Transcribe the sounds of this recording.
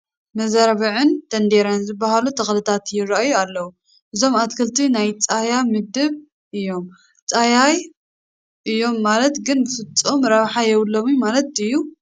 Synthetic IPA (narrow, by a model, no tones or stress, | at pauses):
mɐzaɾβiʕɨnt̪ʰɐnd̪eɾɐnzɨbːaɦalut̪ʰɐxlɨt̪ʰat̪jɪɾaʔajualːɐwu | ʔɨzo̞mat̪kʰɨlt̪ʰinajt͡sʼajamɨd̪ɨβ | ʔɨjːo̞m | t͡sʼajaj | ʔɨjːo̞mːalɐt̪ɡɨnbɨfɨt͡s̪ʼːomɾaβħajɛwlːomjumalɐt̪ɨjːu